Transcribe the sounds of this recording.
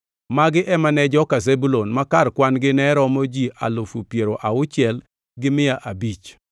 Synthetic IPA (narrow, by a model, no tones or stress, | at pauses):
maɡɪʔɛmanɛd͡ʒɔkazebulonmakarkwanɡɪnɛɾɔmod͡ʒiʔa̰lʊfupjeɾoʔaʊt͡ʃɪɛl | ɡɪmɪaʔabit͡ʃ